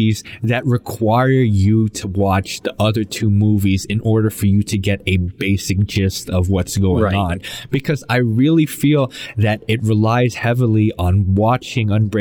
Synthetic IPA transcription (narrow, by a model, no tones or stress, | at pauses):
izðɨt̚ɹɨkʰw̥aɪə˞jɨɾəwɑt͡ʃðiʔʌðə˞tʰumuvizɨ̃nʔɔɹɾə˞fə˞jɨɾɨɡɛɾɨb̥eɪsɨk̚d̥ʒ̥ɪstʌvwʌtsɡ̥oʊɪ̃ŋə̃nb̥ɨkʰʌzaɪɹɪlˠifilˠðɨɾɨt̚ɹɨlaɪz̥hɛvl̩ˠiʔə̃nwɑt͡ʃɪ̃ŋʌ̃nbɹ